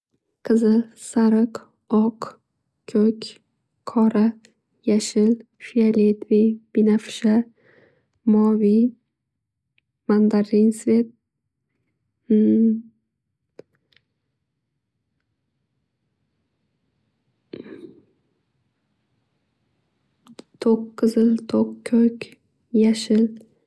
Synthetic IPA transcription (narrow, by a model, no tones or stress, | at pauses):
qʰɨzɪsaɾɨq | ɒq | kʲʰɵkʲ | qʰɒɾa | jaʃɪl | fialet̪vib̥inafɪ̥ʃa | mɒvi | mand̪aɾinsvet̪̚ | t̪ʰoqːɨzɪlt̪ʰokkʲʰːɵkʲ | jaʃɪl